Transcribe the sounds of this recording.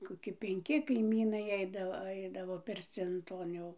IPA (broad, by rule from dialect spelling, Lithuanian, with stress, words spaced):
koːˈkʲɪ pʲɛŋʲˈkʲɪ kɐɪˈmʲiːnɐɪ ˈɛɪdɐʋoː ˈɐɪdɐʋoː pʲɪrʲˈt͡sʲɪn ˈtoːn jɛʊ